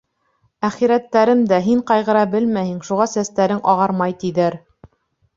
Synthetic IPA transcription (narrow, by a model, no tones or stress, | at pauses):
æχiɾæt̪ːæɾɘmd̪æɦiɴqɑjʁɤ̆ɾɑbɘlmæhiŋʃuʁɑsæst̪æɾɘŋʔɑʁɑɾmɑjt̪iðæɾ